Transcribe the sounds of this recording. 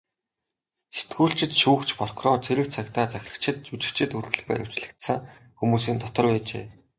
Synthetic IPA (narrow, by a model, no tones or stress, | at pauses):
se̥t̪ɡuːɬt͡ɕɪ̆t̪ʃuːkt͡ɕpɔr̥krɔrt͡sʰeɾɘ̆kt͡sʰakt̪aːt͡sæxʲɪ̆rə̆t͡ɕʰɪ̆t̪̚t͡ɕut͡ɕɪ̆kt͡ɕʰɪ̆t̪urt̪ɘ̆ɮpæ̰ːɾu̥t͡ɕɮɘ̆kt̪sə̆ŋ | xumuːsiːnt̪ʰɔt̪ɞ̆rpæːt͡ɕḛː